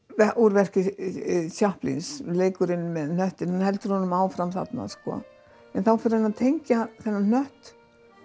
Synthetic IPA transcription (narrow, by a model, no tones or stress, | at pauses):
vɛʔuɾvɛr̥cɪsjahplḭnsleːjkʏɾɪnːmɛðn̥œht̪ɪnhanhɛlt̪ʏɾ̥hɔnʏmaːwfɾamθa̰t̪na̰skɔ̰ | ɛnθawfɪɾanaðt̪ʰejɲcaθɛnːan̥œht̪